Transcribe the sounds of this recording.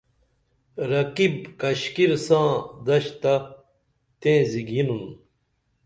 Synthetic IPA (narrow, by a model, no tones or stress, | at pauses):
ɾɐkibkɐɕkiɾsãːd̪ɐɕt̪a | t̪ẽːziɡinun